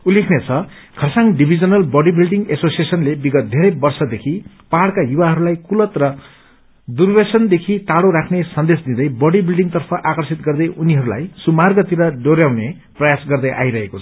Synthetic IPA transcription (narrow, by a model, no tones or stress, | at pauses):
ulekʰnet͡sʰʌ | kʰʌsaŋɖibʱid͡zʌnʌlbʌɽibilɖiŋɡesosiesʌnlebiɡʌt̪̚d̪ʱeɾʌjbʌrsʌd̪ekʰi | paɽkajuwaɦʌɾulajkulʌt̪rʌ | d̪urbesʌnd̪ekʰit̪aloɾakʰnesʌnd̪esd̪id̪ʌjbʌɽibilɖiŋt̪ʌrpʰʌʔakʌrsit̪̚ɡʌrd̪ʌjʔuniɦʌɾula̰jsumarɡʌt̪iɾʌɖoɾjawne | prʌjasɡʌrd̪ʌjʔa̰jɾʌɦekot͡sʰʌ̥